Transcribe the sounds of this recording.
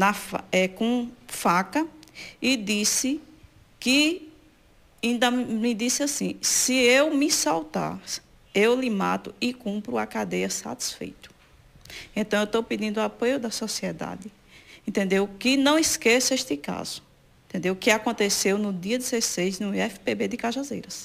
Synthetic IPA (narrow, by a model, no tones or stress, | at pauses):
nɐfaɛkõfakɐɪd̪isɪ | kɪ | ĩnd̪ɐmɪd̪isɪasĩsɪewmɪsawt̪a̰ɾ | ewlɪma̰t̪ʊɪkũpɾʊakad̪ejɐsa̰t̪i̥sfḛjt̪ʊ̥ | ẽt̪ɐ̃w̃ewt̪owpid̪ĩnd̪ʊapojʊd̪ɐsɔsiɛd̪a̰d̪ɪ | ẽt̪ẽnd̪ewkɪnɐ̃w̃iskesʊeʃt̪ɪka̰zʊ̥ | eẽt̪ẽnd̪ewkɪakõnt̪esewnʊd̪iɐd̪izesejznʊɛfi̥pebed̪ɪkaʒazejɾɐs